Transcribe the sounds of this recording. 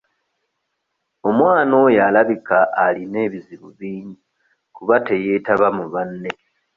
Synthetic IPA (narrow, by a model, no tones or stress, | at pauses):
o̞mwaːno̞jaːlaβikaʔːline̞ːβiziβuβiːɲu | kuβate̞je̞ːtaβamuβanːe̞